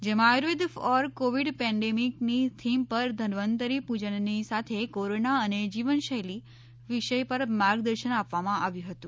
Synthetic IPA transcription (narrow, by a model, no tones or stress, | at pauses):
d͡ʒemãaɾʋid̪fɔɾkoʋiɖpɛ̃ɳɖemiknit̪ʰimpəɾd̪ʱənʋənt̪əɾipud͡ʒənnisat̪ʰekoɾonaəned͡ʒiʋənʃəjli | ʋiʃəjpəɾmaɾɡd̪əɾʃənapʋamãʔaʋjũɦət̪ũ